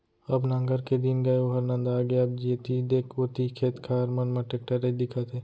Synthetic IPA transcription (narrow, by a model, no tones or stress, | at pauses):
ɐbnɐ̃ŋɡəɾked̪ɪnɡɐeoɦɐɾnɐ̃nd̪aːɡɐjab̚d͡ʒit̪id̪eːkʰoːt̪ikʰeːt̪kʰaɾmɐnmɐ̃ʈek̚ʈəɾed̪ɪkʰat̪ʰeː